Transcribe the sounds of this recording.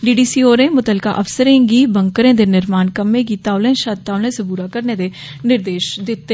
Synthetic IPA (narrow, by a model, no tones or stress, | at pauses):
ɖiːɖiːsiːoːɾẽːmʊt̪əlka̰ʔəfsəɾẽːɡiːbəŋkəɾẽːd̪eːnɪɾmaːnkəmẽːɡiːt̪aːʊlẽːʃəd̪t̪aːʊlẽːsebuːɾaːkəɾneːd̪eː | nɪɾd̪eːʃd̪ɪt̪ːe